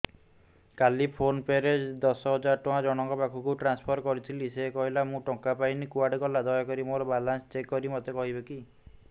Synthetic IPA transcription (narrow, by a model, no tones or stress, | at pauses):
kalipʰonpeɾed͡ʒd̪ɔsɔɦɔd͡ʒaɾʈɔ̃ãd͡ʒɔɽ̃ɔŋkɔpakʰukuʈɾanspʰɔɾkɔɾit̪ʰilisekɔɦilamũʈɔkapainikuaɖkɔlad̪ɔjɔkɔɾimoɾɔbalansɔ̥t͡ʃekːɔɾimɔt̪ekɔɦibeki